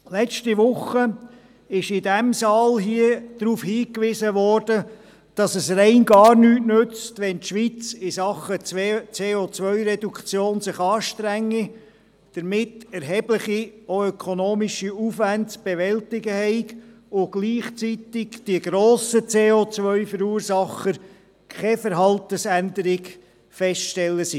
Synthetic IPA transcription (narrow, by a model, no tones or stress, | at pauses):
lɛt͡ʃtiʋʊχə | ɪʃɪdɛmsɑːlɦiəd̪̥ɾuːfhiːkʋɪsəʋɔːɾd̥ə | d̥ɑsəsrɛɪnɡɑːɾnyːtnʉt͡stʋɛntʃʋit͡sɪsɑχət͡seːot͡sʋœʏɾɛdukʰt͡sjoːnsɪχɑːʃtɾæŋːi | d̥əɾmɪtɛɾɦɛb̥ləχioœkʰɔnoːmiʃiufvæntsb̥ɛʋɛltɪɡəhɛɪk | ʊɡ̥liːχt͡sit̪ɪkd̥iəɡɾoːsət͡seːot͡sʋœʏfəɾuːɾsɑχəɾ | kʰχɛfəɾɦɑltəsændəɾɪɡ | fɛstʃtɛlːəsi